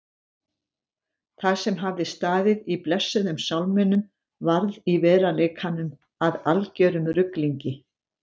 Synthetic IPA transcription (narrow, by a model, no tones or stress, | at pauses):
θasɛmɦavðɪst̪aːðɪðiplɛsːʏðʏmsawlmɛnːʏm | vaɾðivɛːɾaleːkʰanʏm | aðalcœːɾʏmɾʏkliɲcɪ